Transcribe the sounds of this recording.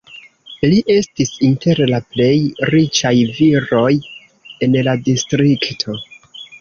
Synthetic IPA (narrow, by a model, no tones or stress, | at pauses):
liʔe̞stisinte̞ɾlaple̞jɾit͡ʃajviɾo̞j | e̞nladistɾiktʰo̞